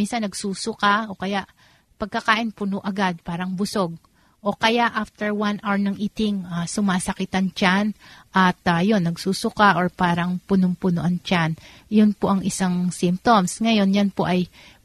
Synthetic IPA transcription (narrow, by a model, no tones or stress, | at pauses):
minsɐnːɐɡsuːsʊkaʔo̞kɐjaʔ | pɐɡ̚kɐkaːʔɪnpʊnoʔɐɡad̪̚paːɾɐŋbʊso̞ɡ̚ | ʔo̞kɐjaʔaft̪ɛɹwanʔaɹnɐŋʔiːt̪ɪŋasʊmaːsɐkɪt̪ɐŋt͡ʃanʔɐt̪ɐjonːɐɡsuːsʊkaʔoɹpaːɾɐŋpʊnʊŋpʊnoʔɐŋt͡ʃan | jʊnpoʔɐŋɪsaŋsimp̚t̪omsŋɐjo̞njɐnpoʔɐj